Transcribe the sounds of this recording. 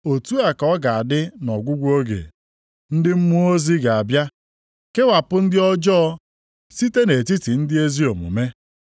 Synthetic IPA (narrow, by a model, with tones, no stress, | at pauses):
o˨tu˦a˨kɔ˦ɡa˨a˨dɪ˦nɔ˨ɡʷʊ˦ɡʷo˦ɡḛ˨ | n̩˦dɪ˦m̩˦mu˦o˦zi˦ɡa˨a˨bja˦ | ke˦wa˨pʊ˦n̩˦dɪ˦ɔ˦d͡ʒɔ˦ɔ˦ | si˦te˦ne˨ti˦ti˨n̩˦dɪ˦e˦zi˦o˨mṵ˨me˦